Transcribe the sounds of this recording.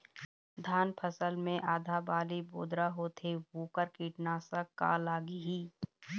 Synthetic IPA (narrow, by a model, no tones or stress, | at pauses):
d̪ʱaːnpʰəsəlmẽʔaːd̪ʱaːbaːliboːd̪ɾaɦoːt̪ʰebuːkəɾkiːʈnaːsaka̰ːlaːɡiɦiː